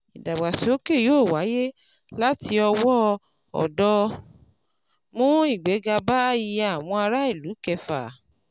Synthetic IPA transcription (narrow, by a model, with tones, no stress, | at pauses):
i˨da˨ɡ͡ba˨so˨˦ke˦˨joː˦˨wa˨˦je˦ | la˦ti˧ɔ˧wɔ˦ | ɔ̰˨dɔ˧˦ | mũ˦i˦˨ɡ͡be˨˦ɡa˧ba˦ji˧ja˨w̃ɔ̃˧a˧ɾa˦i˦˨lu˨˦kɛ˧fa̰˨